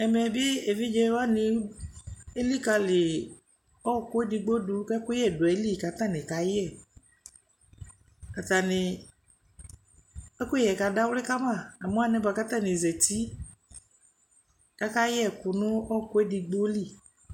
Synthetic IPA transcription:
ɛ˨mɛ˨bɪ˦e˨vi˦d͡ʒɛ˧˦wa˦nɪ˧˦ | e˦li˦˨ka˧lɪ˨ | ɔ˦˨kʊ˦e˦di˧ɡ͡bo˦du˧˦ka˦kʊ˦ɛ˦˨dʊ˨ɛ˨˦li˦˨ka˨t̪a˦˨nɪ̃˨ka˨˦jɛ˦˨ | ka˨t̪a˨nɪ˨ | ɛ˦kʊ˦jɛ˨ka˧da˦wlɪ˦ka˦mã˦˨a˨mo˦a˦˨nɛ˨˦ba˨ka˦ta˦˨nɪ˨zɛ˨t̪i˦ | ka˦ka˦jɛ˦˨kʊ˨nʊ̃˦ɔ˦˨kʊ˦e˦di˧ɡ͡bo˦li˦˨

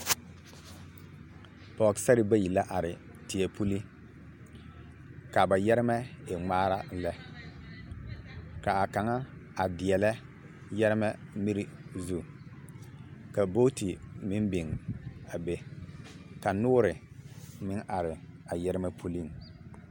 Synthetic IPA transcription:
pɔ˨ksa˦ɾɪ˦ba˦ji˨la˦ʔa˨ɾɪ˨ | tɪ˨ɛ˨pʰu˦li˦ | ka˨ba˨jɛ˦ɾɪ˦mɛ˦e˨ŋ͡maː˦ɾa˦lɛ˦ | ka˨a˨ka˨ŋa˦a˨dɪ˨ɛ˨lɛ˦ | jɛ˦ɾɪ˦mɛ˦mi˦ɾi˦zu˦ | ka˨bo˦ti˨mɪ˦m˦bɪ˨ŋa˨be˦ | ka˨nʊ˦ɾɪ˨ | mɪ˦ŋʔa˨ɾɪ˨a˨jɛ˦ɾɪ˦mɛ˦pʰu˦li˦˨ŋ

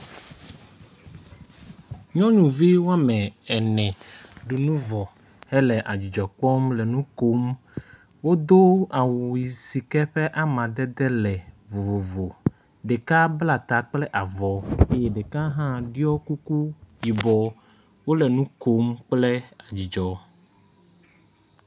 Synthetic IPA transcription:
ɲɔ̃˦ɲũ˨vi˦wo˦a˦mɛ̃˨ɛ˨nɛ̃˨ɖu˨nũ˦vɔ˨ | hɛ˦lɛ˨ʔa˨d͡ʑi˨d͡ʒɔ˨k͡pɔ˦mlɛ˨nũ˦ko˦m | wo˦d̪o˦a˨wu˨i˨si˨kɛ˦ɸɛ˦ʔa˦mã˨d̪ɛ˦d̪ɛ˦lɛ˨ | vo˨vo˨vo˨ | ɖe˨ka˦bla˨t̪a˨k͡plɛ˦ʔa˨vɔ˨e˦jɛ˦ɖe˨ka˦ɦã˦ɖi˦ɔ˦ku˦ku˦ji˨bɔ˨ | wo˦lɛ˨nũ˦ko˦mk͡plɛ˦a˨d͡ʑi˨d͡ʒɔ˨

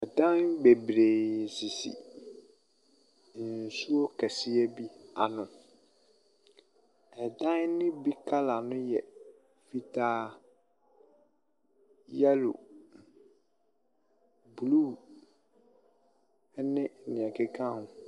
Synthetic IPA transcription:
ɛ˨dã˦nbe˨bɾe˨si˨sḭ˨ | n̩˨su˦o˦kʰɛ˨sɪ˦ɛ˦bi˦a˨nʊ̃˨ | ɛ˨dã˦nnɪ̃˦bi˦kʰa˦la˨nʊ̃˦jɛ˨ | fi˦tʰaː˦ | jɛ˦lʊ̰˨ | bluː˦ | ɛ˦nɪ̃˦ɛ˨nɪ̃˨ɛ˨kʰɛ˦kʰã˦hʊ̃˦

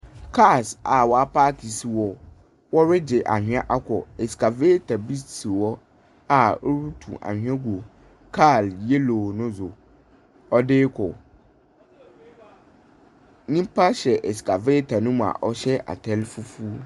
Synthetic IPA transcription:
kʰa˦˨sa˨wɔ˨a˨paː˦kʰi˨si˨wɔ˨ | wɔ˦ɾɪ˦d͡ʑɪ˨ʔa̰˨hᶣɪ˨˦ã˦ʔa˦kʰɔ̰˨ɛ˨ska˨veː˦tʰa˨bi˦ssi˨wɔ˦ | a˨o˦ɾu˦tʰṵ̃˨ʔa̰˨hᶣɥã˦ɡʷo˨ | kʰa˦˨lje˦loː˨nʊ̃˦zʊ˨ | ɔ˦dɪː˦kʰɔ̰˨ | nĩ˦pʰa˦ɕɛ˨ʔɛ˨ska˨veː˦tʰa˨nũ˦ma̰˨ʔɔ˦ɕɛ˦ʔa̰˨tʰɛ˦lfu˦fu˦

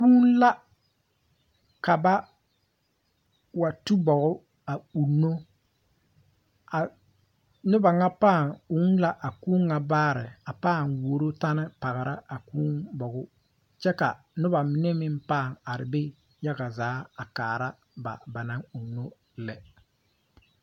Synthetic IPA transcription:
kuː˦nla˦ | ka˨ba˦ | wa˨tu˦bɔ˨ɣʊ˦ | a˨u˨nːo˦ | a˨ | nʊ˦ba˨ŋa˦paː˦˨ŋu˦nla˦ʔa˨kuː˦ŋːa˨baː˦ɾɪ˨a˨paː˦˨ŋwoː˨˦ɾo˦ta˦nɪ˦pa˨ɣɪ˨ɾa˦a˨kuː˦nbɔ˨ɣʊ˦ | t͡ʃɛ˦ka˨ | nʊ˦ba˨mɪ˨nɛ˦mɪ˦mpaː˦˨ŋa˨ɾɪ˨be˦ | ja˦ɡa˨zaː˨˦a˨kaː˨ɾa˦ | ba̰˨ba˨na˦ŋu˨nːo˦ | lɛ˨

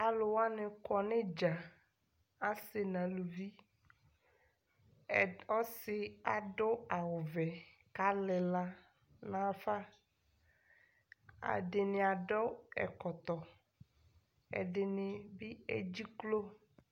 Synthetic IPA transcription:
a˨lʊ˨wa˦nɪ̃˨kɔ˨nɪ̃˦d͡ʒa˨ | a˦sɪ˨nã˨lu˨vi˦˨ | ɔ˦sɪ˨a˨ɖɔ˦a˨wʊ˨vɛ˨ | ka˦lɪ˨la˦ | nã˨˦˨fa˦ | a̰˨ɖɪ˨nɪ̃˨a˨ɖɔ˦ɛ̰˨kɔ˨t̪ɔ˨ | ɛ̰˨ɖɪ˨nɪ˨bi˦ḛ˦d͡ʑi˦klo˦

